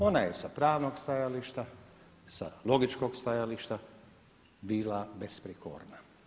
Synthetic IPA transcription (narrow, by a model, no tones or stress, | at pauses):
o̞najesapɾaːʋnoɡst̪ajaliʃt̪a | sa̰lˠo̞ɡit͡ʃkoɡst̪ajaliʃt̪a | biːlabespɾiko̰ɾna